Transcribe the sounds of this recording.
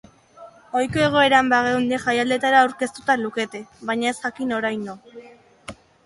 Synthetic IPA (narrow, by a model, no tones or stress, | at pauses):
o̞jko̞e̞ɣ̞o̞e̞ɾambaɣewnd̪eʝajald̪e̞t̪aɾaːwɾke̞st̪ut̪aluke̞t̪e̞βajɲae̞sxakino̞ɾajno